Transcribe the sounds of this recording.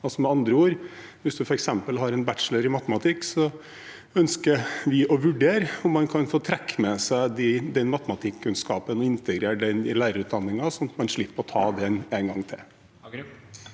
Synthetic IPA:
ɑlsɔmɛɑnd̪ɾəuːɾ | ʋɪsd̪ʉfɔɾɛksɛmpəlɦɑɾɛnbætʂləɾɪmɑt̪əmɑt̪ʰɪkːsɔ | œnskəʋɪʔɔʋʉɖeːɾʊmːɑnkʰɑnfoːt̪ʰɾɛkːmɛsæɪd̪ɪd̪ɛnmɑt̪əmɑt̪ʰɪkʰːʉnskɑ̰ːpənɔɪnt̪əɡɾeːɖɛnɪlæːɾəɾʉːt̪̚d̪ɑnːɪŋɑsɔnɑt̪mɑnʂɭɪpːəɾɔt̪ʰɑːd̪ɛneːŋɡɑŋt̪ʰɪ̰l

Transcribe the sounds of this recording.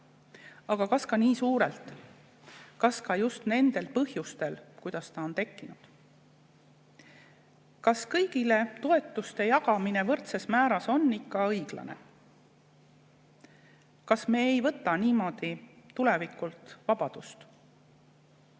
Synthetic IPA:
ɑɡ̥ɑkɑskɑniːsuːɾelt̪ˑ | kɑskɑjust̪ne̞nd̪̥e̞lpɤhjust̪e̞lkujd̪̥ɑst̪ɑo̞nt̪e̞kːinud̪̥ | kɑskɤjɡ̥ile̞t̪o̞e̞t̪ːˑust̪e̞jɑɡ̥ɑmine̞vɤrt̪se̞smæːɾɑso̞nːikːɑɤjɡ̥lɑ̰ne̞̰ | kɑsme̞ːejvɤt̪ːˑɑniːmo̞ːd̪̥it̪ːule̞vikult̪vɑb̥ɑd̪̥ust̪

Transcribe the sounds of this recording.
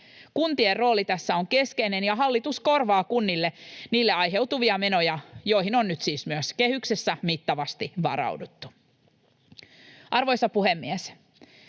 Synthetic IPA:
kunt̪ierro̞ːlit̪æsːæoŋke̞skeinenjɑɦɑlːit̪usko̞rʋɑːkunːilːeniːlːeɑjɦe̞wt̪uʋiɑmenojɑjojɦinonnyt̪siːsmyøskehyksesːæmit̪ːɑʋɑst̪iʋɑ̰ɾɑ̰wdut̪ːu̥ | ʔɑrʋo̞jsɑpuhemːies

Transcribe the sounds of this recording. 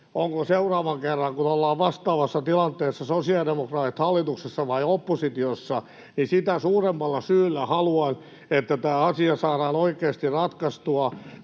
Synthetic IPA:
oŋkoseurɑːʋɑŋkerːɑŋkunolːɑːʋʋɑst̪ɑːʋɑsːɑt̪ilɑnt̪eːsːɑsosiɑdemokrɑːt̪it̪hɑlːit̪uksesːɑʋɑiopːosit̪iosːɑ | nisit̪æsuːremːɑlːɑsyːlːæhɑluɑn | et̪ːæt̪æːɑsiɑsɑːɾɑːnoikeːst̪irɑt̪kɑst̪uɑ

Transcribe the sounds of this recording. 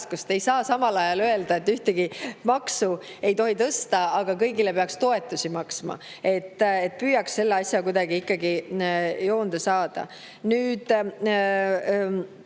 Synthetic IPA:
skust̪e̞jsɑːsɑmɑlɑjɑlø̞e̞ld̪̥ɑe̞t̪ːyht̪eɡ̥imɑksu | e̞jt̪o̞ɦit̪ɤst̪ɑɑɡ̥ɑkɤjɡile̞peɑkst̪o̞e̞t̪ːˑusimɑksmɑ̰ | e̞t̪ːˑet̪̚ːpyːjɑksːe̞lːeɑsʲjɑkujd̪ɑɡiikːɑɡi | jo̞ːnd̪̥esɑːd̪̥ɑ̰ | nyːd̪̥

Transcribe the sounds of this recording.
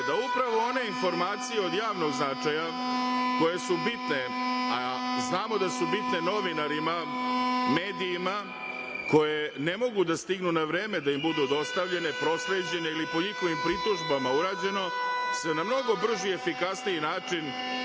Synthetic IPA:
d̪aupɾaʋoo̞ne̞info̞ɾmaːt̪sijeo̞d̪jaːʋno̞ɡznat͡ʂaja | ko̞je̞subit̪ne̞aznaːmo̞d̪asubit̪ne̞no̞ʋinaɾima | me̞ːd̪iːma | ko̞je̞ne̞mo̞ɡud̪ast̪iɡnunaʋɾeːme̞d̪aimbud̪ud̪o̞st̪aʋʎe̞ne̞pɾo̞sɾe̞ːd͡ʑe̞ne̞ilipo̞ɲixo̞ʋimpɾit̪uʒbamauɾaːd͡ʑe̞no̞sʋenamno̞ɡo̞br̩ʒie̞fikasniinaːt͡ʂin

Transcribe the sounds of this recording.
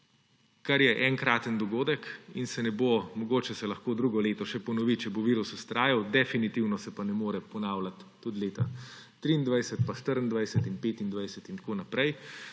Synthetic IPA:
kaɾjɛʔɛŋkɾaːt̪ənd̪ɔɡoːd̪əkinsɛnɛbomɔɡoːt͡ʃɛsɛlɐxkoːd̪ɾuːɡɔleːt̪ɔʃɛpɔnɔʋit͡ʃɛboʋiːɾusust̪ɾaːjawd̪ɛfinit̪iwnɔsɛpanɛmoːɾɛpɔnaːwlat̪ːud̪leːt̪a | t̪ɾiːnd̪ʋajsət̪̚paʃt̪əɾənd̪ʋajsət̪inpeːt̪ind̪ʋajsət̪int̪ḁkoːnapɾɛj

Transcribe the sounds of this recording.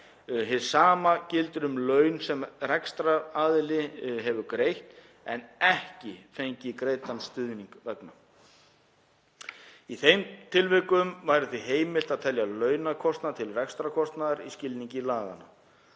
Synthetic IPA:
ɦɪsaːmacɪlt̪ɾʏmlœɥnsɛmrɛkst̪ɾaaðɪlɪɦɛvʏkɾejht̪ | ɛnɛhcɪfejɲcɪkɾeːjt̪anst̪ʏðniŋkvɛkna | iθejmt̪ʰɪlvɪkʏmvajɾɪθviɦeːjmɪl̥t̪aðt̪ʰɛljalœːɥnakʰɔst̪nat̪ʰɪlrɛkst̪ɾakʰɔst̪naðaɾiscɪlniɲcɪlaːɣa̰na̰

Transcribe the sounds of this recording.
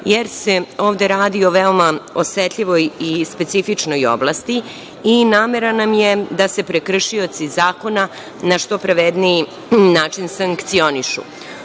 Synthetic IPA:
jeɾse̞o̞ːʋd̪eɾaːd̪io̞ʋeo̞mao̞set̪ʎiʋo̞jispe̞t̪sifit͡ʂno̞jo̞̰blˠast̪i | inaːme̞ɾanamje̞d̪ase̞pɾekr̩ʃio̞t̪sizaːko̞na | naʃt̪o̞pɾaʋed̪nii | naːt͡ʃinsaŋkkt̪sio̞niʃṵ

